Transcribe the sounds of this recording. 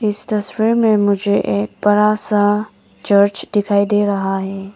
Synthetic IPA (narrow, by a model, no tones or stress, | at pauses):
ɪst̪ɐswiːɾmẽmʊd͡ʒʱeʔeːk̚bɐɾasa | t͡ʃəɾt͡ʃd̪ɪkʰaːid̪eːɾɐɦaɦɛː